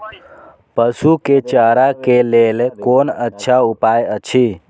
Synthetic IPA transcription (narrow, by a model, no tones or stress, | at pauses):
pəsuket͡ʃaɾakelelkonətːʃʰaupajət͡ʃʰi